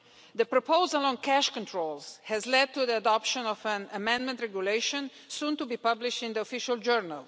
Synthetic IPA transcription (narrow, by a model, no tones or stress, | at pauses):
d̪əpɾɔpoʊzəlɔ̃nkʰæʃkɔ̃nt̪ʰɹolshɛzlɛd̪̚t̪uðiədɔpʃə̃nɔfə̃nəmɛ̃ndmɛ̃ntɹɛɡjuleɪʃə̃n | sũnt̪ubipʌblɪʃtɪ̃nd̪iɔfɪʃəld͡ʒɜɹnə̰lˠ